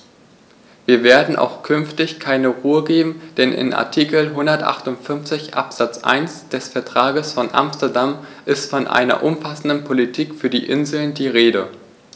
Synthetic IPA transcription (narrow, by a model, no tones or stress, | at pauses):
viːɐveːɐdn̩ʔa̰ʊxkʰʏnftɪçkʰaɪnəʁuːəɡeːbm̩d̥ɛnʔɪ̰nʔa̰ɐtʰiːkl̩ɦʊndɐtʔa̰χtʊntfʏnft͡sɪçʔa̰pz̥at͡sʔa̰ɪnsd̥ɛsfɛɐtʁ̥aːɡəsfɔnʔa̰mstɐdamʔɪstfɔnʔa̰ɪnɐ̰ʔʊmfasn̩dnpʰolitʰiːkfyːɐdiːʔɪnzl̩ndiːʁeːɾə